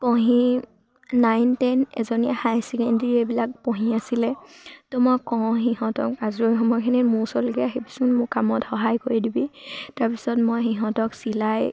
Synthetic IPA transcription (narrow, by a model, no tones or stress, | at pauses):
pɔɦiː | ajntɛnɛ̰zɔniahajsɛkɛndɹiebilak̚pɔɦiasilɛtʊmɔkːɔ̃ɦiɦɔ̃tɔ̰kazɹojxɔmɔjkʰinimʊsɔlkɛaɦipi̥sʊnmʊkamɔtxɔɦajkoɹidibitaɹpisɔtmojxiɦɔ̃tɔksilaj